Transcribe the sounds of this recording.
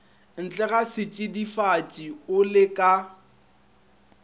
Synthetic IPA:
n̩t͡ɬʼɛɣasɪt͡ʃʼɪdifat͡ʃʼiʊlɪkʼa

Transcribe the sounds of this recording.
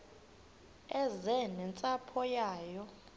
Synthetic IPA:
ɛzɛnɛnt͡sʼapʰɔjaːjɔ

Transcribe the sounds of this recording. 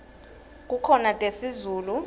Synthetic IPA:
k̬ʼukʰɔnatʼesizuːlu

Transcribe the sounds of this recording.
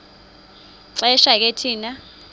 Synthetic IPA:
ǀɛʃak̬etʰiːna

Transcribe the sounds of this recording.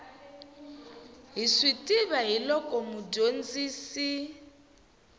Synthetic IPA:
ɦisitʼiβaɦilɔkʼɔmuɟond͡ziːsi

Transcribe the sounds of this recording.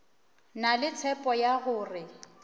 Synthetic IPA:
nalɪt͡sʰɛpʼɔjaɣʊːrɪ

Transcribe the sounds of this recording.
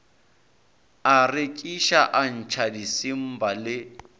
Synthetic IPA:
arekʼiʃaʔan̩t͡ʃʰadisim̩balɪ

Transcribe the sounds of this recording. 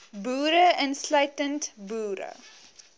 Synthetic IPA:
buːɾəʔənslœɥtəntbuːɾə̰

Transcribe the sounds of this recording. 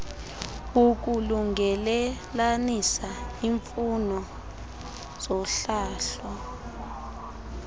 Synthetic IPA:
uk̬ʼuluŋɡʱɛlɛlanisaiɱfunɔ | z̥ɔɬaːɬɔ

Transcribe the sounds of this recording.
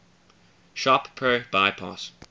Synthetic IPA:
ʃɔppʰːɹob̥aɪpʰɑ̰s

